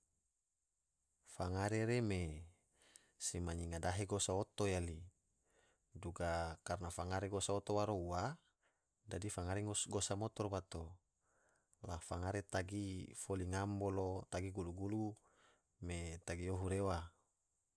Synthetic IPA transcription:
faŋaɾeɾeme | semaɲiŋadaɦeɡosaot̪ojali | duɡakarnafaŋaɾeɡosaot̪owaɾoua | dadifaŋaɾeŋosɡosamot̪orbat̪o | lafaŋaɾet̪aɡifoliŋambolot̪aɡiɡuluɡulu | met̪aɡioɦuɾewa

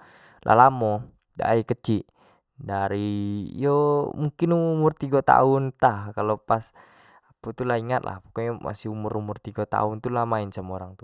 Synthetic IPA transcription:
lʔa̰lamɔ | da̰ikət͡ʃiʔ | daɾḭjomuŋkinuumʊrt̪iɡot̪a̰ʊnt̪ahkalopas | aput̪ulaɦiŋat̪̚lʔa̰hpo̥kɔjɔma̰siumʊɾumʊrt̪iɡat̪a̰ʊnt̪ulamaɪnsəmoɾaŋt̪u̥

